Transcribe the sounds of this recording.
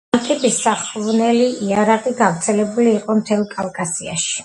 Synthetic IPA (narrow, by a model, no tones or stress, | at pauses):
lt̪ʼɛbisːaχvnɛliiaɾaqʼiɡavɾt̪sʰɛlɛbuliːqʼɔmt̪ʰɛlˠkʼalˠkʼasia̰ʃi̥